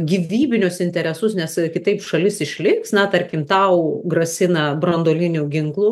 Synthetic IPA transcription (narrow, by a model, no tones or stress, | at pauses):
ɡʲiːʋʲiːbʲɪnʲʊsɪnʲt̪ʲɛɾʲɛsʊsnʲɛskʲɪt̪ɐɪpʃɐlʲɪsɪʃʲlʲɪksnɐt̪ɐɾʲkʲɪmt̪ɐʊɡrɐsʲɪnɐbrɐnd̪oːlʲɪnʲʊɡʲɪŋklˠu